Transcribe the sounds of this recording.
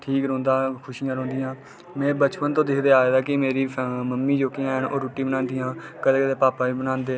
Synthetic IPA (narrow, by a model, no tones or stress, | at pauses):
ʈʰiːkɾɔ̃ːnd̪aːkʰʊʃijãːɾõːnd̪ɪjãː | mɛ̃ːbət͡ʃpənt̪õːd̪ɪkʰd̪eːaːeːd̪aːkɪmeːɾiːməmːiːd͡ʒoːkɪjãːɦəɳoːɾuːʈiːbənãːnd̪ijãːkəd̪eːkəd̪eːpaːpaːiːbənãːnd̪eː